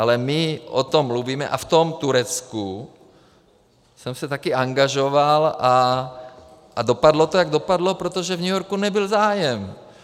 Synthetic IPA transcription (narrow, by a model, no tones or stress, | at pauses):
ʔalɛmɪʔo̰t̪omːluviːmɛ̰ʔaft̪omt̪uɾɛt͡sku | sɛmsɛt̪akɪaŋɡaʒovalʔa | ʔado̞padlot̪ojaɡdo̞padlo̞pɾot̪oʒɛvɲujoɾkunɛbɪlzaːjɛm